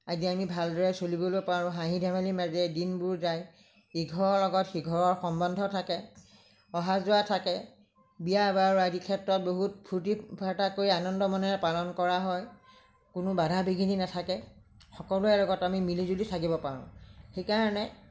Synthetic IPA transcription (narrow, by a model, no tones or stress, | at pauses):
aziamibʱaldɔɹɛsolibolɔpaɹʊ̃ɦaɦĩdʱɛmalimazɛdinbʊɹzaj | iɡʱɔɹɔɹlɔɡɔtxiɡʱɔɹɔɹxɔmbɔndʱɔtʰakɛ | ɔɦazʊwatʰakɛ | bijabaɹuazikʰɛtɹɔt̚boɦut̚pʰutipʰatakoɹianɔndɔmɔnɛɛpalɔnkɔɹaɦɔj | kʊnʊbadʱabiɡʱininatʰakɛ | xɔkɔlʊɛlɔɡɔtamimilizulitʰakibɔpaɹʊ̰̃xejkaɹɔnɛ